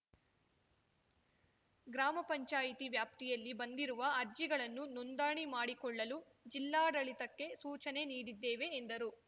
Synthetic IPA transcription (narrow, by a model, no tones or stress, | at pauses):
ɡɾaːmɐpɐɲt͡ʃaːjit̪iʋjaːp̚t̪ijɐlːibɐnd̪iɾuʋɐɐɾd͡ʒiɡɐɭɐnːunund̪aːɳimaːɽikɔɭːɐlu | d͡ʒilːaːɽɐɭit̪ɐkːe̞suːt͡ʃɐne̞niːɽid̪ːeːʋe̞ːnd̪ɐɾu